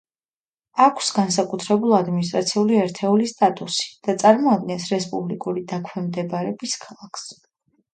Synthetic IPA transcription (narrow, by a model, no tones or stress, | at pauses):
akʷʰsɡansakʼut̪ʰɾɛbulˠad̪minis̬t̪ʼɾat̪sʰiuliɛɾt̪ʰɛulist̪ʼat̪ʼusi̥d̪̥at̪sʼaɾmɔad̪̚ɡɛnsɾɛspʼublikʼuɾid̪akʰwɛmd̪ɛbaɾɛbiskʰalˠakʰs